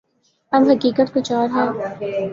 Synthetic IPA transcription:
ɐmɦɐkiːkət̪kʊt͡ʃaːɾɦɛ̃ː

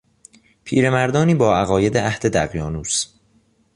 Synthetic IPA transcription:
pʰiːɾe̞mæɾd̪ɒːniːbɒːæɣɒːje̞d̪eʔæhd̪e̞d̪æɣjɒːnuːs

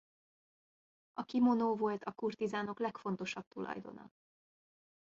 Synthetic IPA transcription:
ʔɒkimonoːvo̞lt̪ɒkurt̪izaːno̞klɛkfo̞nt̪o̞ʃɒb̚t̪ulɒ̰jd̪o̞̰nɒ̰

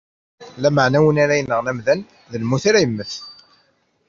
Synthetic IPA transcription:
læməʕnæwənaɾæjənːəʁnæmðæn | ðəlmːuθaɾæjəmːəθ

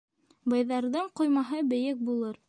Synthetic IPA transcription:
bɑjðɑɾðɤɴqŏjmɑɦɤbɘ̆jɘk̚bulˠɤɾ

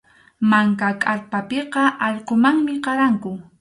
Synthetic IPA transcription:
maŋkakʼaɾpapeqɑʔɑʎqomaŋmɪqɑɾaŋkʊ

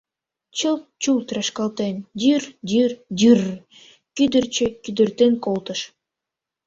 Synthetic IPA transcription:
t͡ɕəlt͡ɕult̪ɾɑʃkɑlˠt̪end̪ʲyrd̪ʲyrd̪ʲyr | kyd̪ərt͡ɕə̆kyd̪ə̆rt̪enkolˠt̪ə̆ʃ

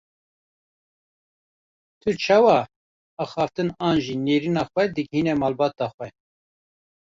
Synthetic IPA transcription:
t̪ʰut͡ʃʰɑːwɑ | ɑːxɑːft̪ɨnɑːnʒineːɾiːnɑːxʷɛd̪ɨɡhinɛmɑːlbɑːt̪ɑxʷɛ

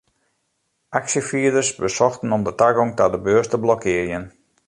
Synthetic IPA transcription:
ʔaksəfiədərsbəsɔxtən̩ɔmdətaɡɔŋtadəbøəstəblɔkʰɪərjən

